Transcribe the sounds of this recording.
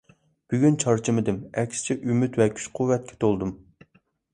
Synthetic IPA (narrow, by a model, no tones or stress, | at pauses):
b̥yɡʲynt͡ʃʰɑɾt͡ʃʰimɪd̪ɪmɛkʲsɪ̥t͡ʃʰɛʔymyt̪wɛkʲʰy̥t͡ʃqʰuwːɛt̪̚kʲʰɛ̥t̪ʰolˠd̪um